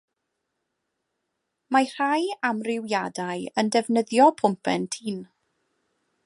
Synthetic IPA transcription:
mar̥ajamrɪwjadaɨəndɛvnəðjɔpʰʊmpʰɛntʰiːn

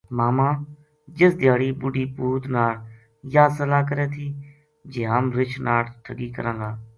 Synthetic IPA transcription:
maːmãː | d͡ʒɪsd̪ɪjaːɽiːbʊɖiːpuːt̪naːɽ | jaːsəlaːkəɾeːt̪ʰiː | d͡ʒeːɦəmɾɪt͡ʃʰnaːɽʈ̪ʰəɡiːkə̰ɾə̃ːŋɡaː

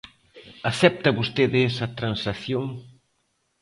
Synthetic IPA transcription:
aθɛp̚t̪ɐβust̪eðɪsɐt̪ɾansaθjoŋ

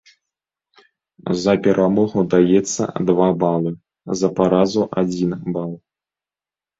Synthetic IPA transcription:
zɐpʲɛɾʔamɔɣud̪ajɛt̪sːɐ̰d̪vabalˠɨ | zɐpaɾazuʔad͡zʲinbalˠ

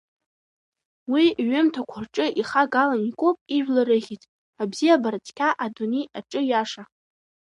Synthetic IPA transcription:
wiɥʊmtʰakʷʰʊrʈ͡ʂʼɨʔiχaɡalanikʷʼopʼiʒᶣlaɾɨʁʲitʼ | abzijabart͡sʰʼkʲʰaʔadunejaʈ͡ʂʼɨjaʂa

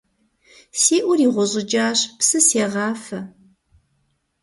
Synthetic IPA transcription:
seːʔʷʊɾiːʁʷɔʑʼɪd͡ʒaːɕpsɨseːʁɑːfɐ

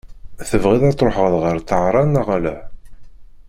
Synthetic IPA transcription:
θəvʁiðɑt̪ˤɾˤoħəʁəðˤʁəɾt̪əʕɾˤɑnaʁalæ̰

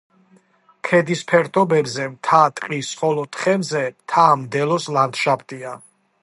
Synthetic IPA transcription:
kʰɛd̪ispʰɛɾt̪ʰʼɔbɛbzɛmt̪ʰat̪ʼqʼisχɔlɔt̪ʰʼχɛmzɛmt̪ʰamd̪ɛlɔsland̪ʃapʰt̪ʼia

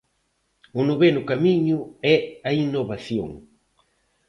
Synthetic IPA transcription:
ʊnuβenʊkamiɲʊɛɐinːoβaθjo̰ŋ

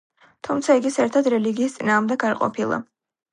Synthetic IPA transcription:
t̪ʰumt̪sʰaiɡisɛɾt̪ʰad̪ɾɛliɡiːst̪sʼinaːʁmd̪ɛɡaɾqʼɔ̰pʰilˠa̰

